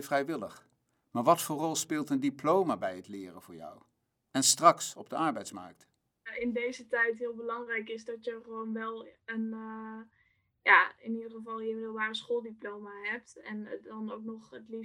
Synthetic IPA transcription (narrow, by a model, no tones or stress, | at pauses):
vrɛjʋɪləχ | maːɹʋɑtfʊːɹrɔlˠspɪːlˠtəndiplowmabɛjɦətlɪːrənvʊːɹjɔ̰w | ɛnstrɑksɔb̚dəɑɹbɛjtsmɑ̰ɹk̚t | ɪndejzətɛjtɦɪːlˠbəlɑŋrɛjkɪzdɑtjəχəʋownʋɛlˠən | jaːɪnidəχəvɑlˠjəmɪdlˠbaːrəsχoːlˠdiplowmaɦɛp̚tɛndɑnowk̚nɔχətli